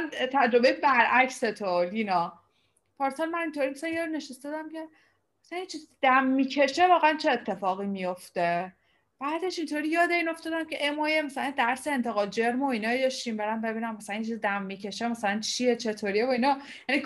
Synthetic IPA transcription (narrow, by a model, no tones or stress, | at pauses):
nt̪ʰæd͡ʒɾo̞bejt̪bæɾʔækset̪ʰoliːnɒː | pʰɒɾsolmænint̪ʰoːɾiːmæsælænjɒɾine̞ʃest̪ɒd̪æmcʰe̞ | mæslænjit͡ʃʰizd̪æmːiːcʰe̞ʃevɒːɣeænt͡ʃʰe̞ːt̪ʰːe̞fɒːɣimijo̞ft̪e | b̥æːd̪e̞ʃint̪ʰoɾiːjɒːd̪eiːno̞ft̪ɒːd̪æmcʲʰeʔemɒːjemæsælænd̪æɾseent̪ʰe̞ɣɒːld͡ʒe̞ɾmoinɒːd̪ɒʃimbeɾæmbe̞biːnæmːæsælænjet͡ʃʰizid̪æmːicʰe̞ʃemæsælænt͡ʃʰijet͡ʃʰe̞t̪ʰoːɾievoinɒ | jænik